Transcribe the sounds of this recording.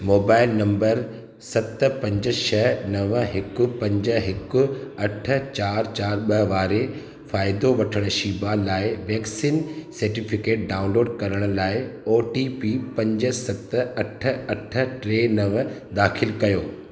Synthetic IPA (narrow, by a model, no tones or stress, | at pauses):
moːbaːɪlnɐ̃mbəɾ | sɐt̪̆pɐ̃ɲd͡ʑə̆ʃʰɐnɐʋɦɪkʊ̆pɐ̃ɲd͡ʑəɦɪkʊɐʈʰə̆t͡ɕaːɾt͡ɕaːɾɓɐʋaːɾe | faːɪd̪oʋɐʈʰəɽ̃ʊ̆ʃiːbalaːɪʋɛːksiːnsɐɾʈifɪkeːʈ̚ɖaːʊ̃nloːɖkɐɾəɽ̃ʊ̆laːɪoːʈiːpiːpɐ̃ɲd͡ʑə̆sɐt̪̆ɐʈʰə̆ɐʈʰə̆ʈɾeːnɐʋ | d̪aːxʰɪlkɐjoː